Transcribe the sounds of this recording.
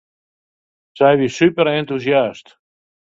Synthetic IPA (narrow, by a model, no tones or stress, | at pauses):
sajvisypəɾɛnt̪usjast